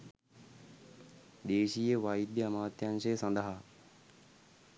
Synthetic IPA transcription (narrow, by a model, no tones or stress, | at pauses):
d̪eːʃijəʋajid̪jəɐmaːt̪janʃejsɐnd̪əɦa